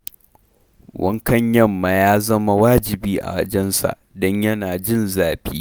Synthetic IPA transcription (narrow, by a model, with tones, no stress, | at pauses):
wɐ˦ŋkɐ˦ɲjɐ˦mːa˨jaː˦zɐ˦ma˦waː˦d͡ʒɪ˨biː˦ʔa̰˨wɐ˦d͡ʒɛ˦nsa̰˨ʔdɔ˦ɲjɐ˦naː˨d͡ʒɪ˦˨nzaː˨biː˦